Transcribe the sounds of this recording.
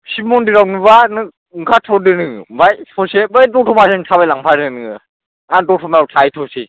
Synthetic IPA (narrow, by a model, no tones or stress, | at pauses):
simɔndiɾawnɯbanɯ | ŋkʰatʰɔdɯnɯbajtʰɔsebɯjtɔtʰɔmasentʰabajlaŋpʰaɾɯnɯɯ | antɔtʰɔmaawtʰajtʰɔsi